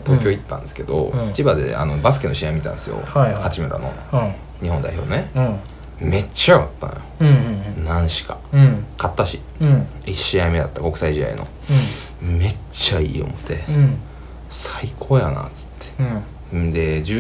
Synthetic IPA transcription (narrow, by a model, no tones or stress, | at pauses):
t̪o̞ːkʲoit̪ːã̰nd̪esɨ̥ke̞d̪o̞̰it͡ɕibad̪e̞̰a̰no̞basɨ̥kenoɕijaimʲit̪ã̰nesɨjo̰hahat͡ɕimeɾa̰no̰n | ɲ̟ihond̪a̰iço̞ːnne | me̞t͡ɕːajoɡat̪ːa̰nojonãɰ̃ɕi̥ka | kat̪ːaɕi | iɕiaimed̪at̪ːako̞kɯ̥saiʑid̪a̰ḭno̞̰ | me̞t͡ɕːaiːo̞̰mo̞t̪ʰe̞ | saikʰoːjana̰t͡sɨ̥t̪ʰːe̥ | d̪e̞d͡ʑɨ